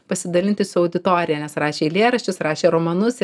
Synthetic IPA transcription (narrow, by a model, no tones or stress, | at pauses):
pɐsʲɪd̪ɐlʲɪnʲt̪ʲɪsʊɒʊd̪ʲɪt̪oːɾʲɪjɛnʲɛsrɑːʃʲeːilʲeːɾɐʃʲt͡ʃʲʊsɾɑːʃʲeːɾoːmɐnʊs